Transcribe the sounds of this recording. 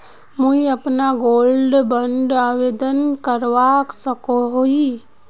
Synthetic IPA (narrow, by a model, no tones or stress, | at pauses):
mũiəpnaɡoːlɖbə̃ɳɖaːʋeːd̪ənkəɾʋaksəkoɦoi